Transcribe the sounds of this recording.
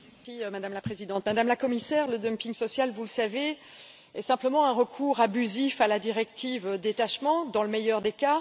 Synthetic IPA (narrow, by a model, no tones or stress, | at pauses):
ɛsimad̪amlapχezid̪ɑ̃t̪mad̪amlakɔmisɛʁləd̪œmpiŋsɔsjalvuləsave | ɛsɛ̃pləmɑ̃ɛ̃ʁəkʰuːʁabyzifalad̪iʁɛk̚t̪ʰivød̪et̪aʃmɑ̃d̪ɑ̃ləmejœʁd̪eka